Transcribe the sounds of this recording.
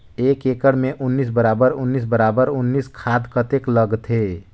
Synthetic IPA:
eːkeːkəɽmẽʔʊnːiːs̬bəɾaːbəɾʊnːiːs̬bəɾaːbəɾʊnːiskʰaːd̪kət̪ekləɡt̪ɦe

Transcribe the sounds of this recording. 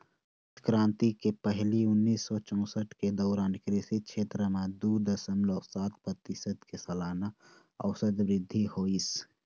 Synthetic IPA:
skɾãːnt̪ikepəɦliʊnːiːsːɔt͡ʃɔ̃ːsəʈked̪ɔːɾaːnkɾɪsikʃʰeːt̪ɾəmẽd̪uːd̪əsəmlɔːsaːt̪̚pɾət̪ɪsəd̪kesɐlaːna | ɔːsəd̪ʋɾɪd̪ʱːihoːis

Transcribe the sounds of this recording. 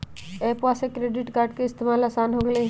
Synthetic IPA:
eːpʋasekɾeːɖɪʈkaːɾɖkeɪst̪emaːlasaːnɦoɡle

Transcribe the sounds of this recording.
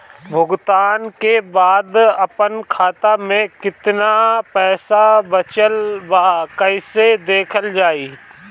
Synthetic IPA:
bʱʊɡt̪aːnkebaːd̪ɐpənkʰaːt̪amẽkɪt̪napɛːsabɐt͡ʃəlbaːkəɪsed̪eːkʰəld͡ʒaːiː

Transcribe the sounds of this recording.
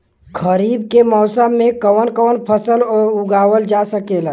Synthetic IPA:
kʰəɾib̚kemɔːsəmːẽkəwənkəwənpʰəsəlɔɾuɡaʋəld͡ʒasəkela

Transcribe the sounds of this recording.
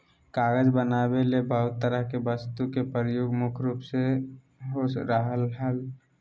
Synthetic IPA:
kaːɡəd͡ʒbənabelebəɦʊt̪ːəɾəɦkebəst̪ukepəɾəjoːɡmʊkʰɾuːpse | ɦoɾəɦəlɦəl

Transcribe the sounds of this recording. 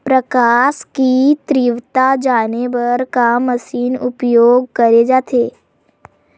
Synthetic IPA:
pɾəkaskit̪ɾiʋt̪ad͡ʒañebəɾkaməsiːnupjoɡ̚kəɾed͡ʒat̪ʰe

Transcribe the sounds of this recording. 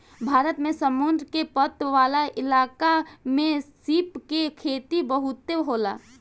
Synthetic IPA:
bʱaːɾət̪mẽsəmund̪ɾkepət̪ʋaːlaʔɪlaːkamẽsipkekʰeːt̪ibəɦʊt̪ːeɦoːla̰ː

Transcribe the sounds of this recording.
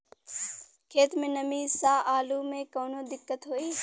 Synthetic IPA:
kʰeːt̪mẽnəmiːsaːʔaːluːmẽkoːnoːd̪ɪkːət̪ɦoːiː

